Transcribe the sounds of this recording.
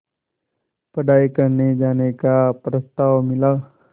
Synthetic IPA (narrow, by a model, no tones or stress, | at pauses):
pəɖajkəɾned͡ʒanekapɾəst̪aʋmila